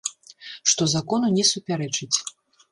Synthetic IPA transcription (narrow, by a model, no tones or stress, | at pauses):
ʂt̪ɔzakɔnunʲɛsupʲaɾɛt͡ʂɨt͡sʲ